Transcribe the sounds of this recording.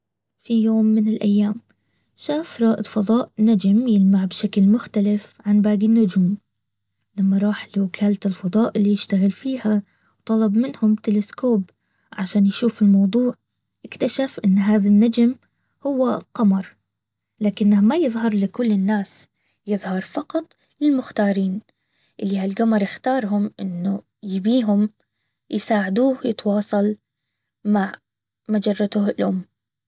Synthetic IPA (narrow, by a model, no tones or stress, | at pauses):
fijoːmːɪnɪlʔa̰jːaːm | ʃaːfɾˤɑːʔɪd̪ˤfɑðˤɑːʔnad͡ʒmjɪlmaʕbʃaklmʊxt̪alɪfʕanbaːɡinːʊd͡ʒuːm | lamːaɾˤɑːħlukʰaːlt̪ɪlfɑðˤɑːʔɪlːijɪʃt̪aɣɪlfiːha | wt̪ˤɑlɑbmɪnhʊmt̪ɪlɪskoːb | ʕaʃaːnjʃuːfɪlmɑwd̪ˤuːʕ | ʔɪkt̪aʃafʔɪnːɦaːðanːad͡ʒm | hʊwːaqɑmɑɾˤ | laːkɪnːamajɨðˤɦɑɾˤlɪkʊlːɪnːaːs | jɪðˤhɑɾˤfɑqɑt̪ˤ | lɪlmʊxt̪ɑːɾiːn | ʔɪlːihalɡamɑɾˤjɪxt̪ɑːɾˤɦʊmʔɪnːʊ | jɪbiːɦʊm | jɪsaːʕɪd̪uːhjɪt̪wɑːsˤɑl | maʕ | mad͡ʒɑrˤːɑt̪ʊhɪlʔʊmː